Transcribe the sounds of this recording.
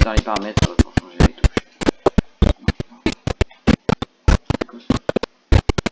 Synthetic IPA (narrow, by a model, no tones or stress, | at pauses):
t̪ɑ̃lepaʁmɛt̪χəəpuʁʃɑ̃ʒelet̪uʃ